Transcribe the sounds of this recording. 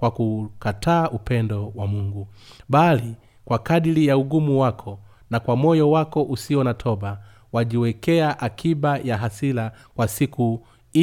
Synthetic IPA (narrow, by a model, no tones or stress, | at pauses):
kwakukatʰaːʔupɛndɔwamuŋɡu | ɓali | kwakaɗilijauɡumuwakʰɔ | nakwamɔjɔwakɔʔusiɔnatʰɔɓa | waʄiwɛkɛaʔakʰiɓajaɦasila | kwasiku